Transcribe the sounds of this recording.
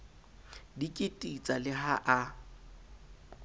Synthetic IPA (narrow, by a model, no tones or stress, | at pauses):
dikʼɪtʼit͡sʼalɪɦaʔa